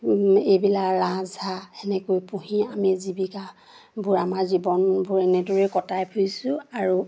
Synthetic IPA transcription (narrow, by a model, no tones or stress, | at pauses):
ejbilakɹazaɛnɛkojpuɦĩamizibika | buɹamazibɔnbʱuɹɛnɛdoɹɛkɔtajpʰujsʊ̃aɹu